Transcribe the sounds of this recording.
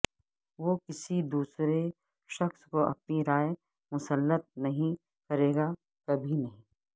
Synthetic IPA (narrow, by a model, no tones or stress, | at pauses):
ʋoːkɪsid̪uːsɾe | ʃɐxskoʔɐ̰p̚niɾaːje | mʊsəlːət̪̚nɐɦĩ | kɐɾeːɡa | kɐbʱinɐɦĩː